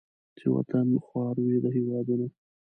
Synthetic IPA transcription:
t͡ʃewa̰t̪anxwɑɾwid̪əɦɪwɑd̪uno

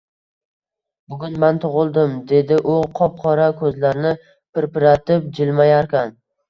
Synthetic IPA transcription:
bʊɡʲʊnmant̪ʰʊʁɨlˠd̪ɪmd̪e̞d̪ɪʔʊqʰɒp̚qʰɒɾakʰɵzlaɾnɪ | pɪɾpɪɾat̪ɪp̚d͡ʒɪlmajaɾkʲʰan

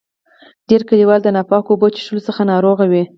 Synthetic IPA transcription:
d̥eɾkəliwɑld̪ənapɑkoːbət͡ʃi̥ʃulosəxanɑɾoɣawi

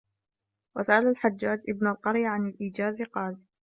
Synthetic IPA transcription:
wasaʔalalħad͡ʒːaːd͡ʒʔɪbnalqɑɾjaʕanalʔiːd͡ʒaːzɪqɑːl

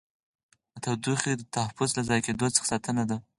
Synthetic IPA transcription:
at̪awd̪uxid̪ət̪ahafʊzlazɑjked̪ot͡sə̥xḁsɑt̪ənad̪a

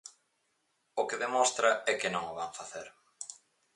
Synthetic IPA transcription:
okɪðemõst̪ɾaɛkɪnõŋaβaɱfaθeɾ

